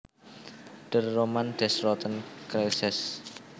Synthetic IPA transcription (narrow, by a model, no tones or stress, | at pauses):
ɖ̥ərːomand̪̥ɛsɾɔt̪ənkɾɛlsɛs